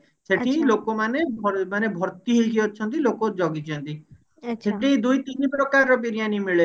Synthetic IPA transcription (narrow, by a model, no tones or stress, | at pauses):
seʈʰilokɔmanebɔmanebʱɔɾt̪iɦejkiɔt͡ʃʰɔnt̪ilokod͡ʒɔɡit͡ʃʰɔnt̪i | seʈʰid̪ujt̪inipɾɔkaɾɾɔpiɾijanimiɭe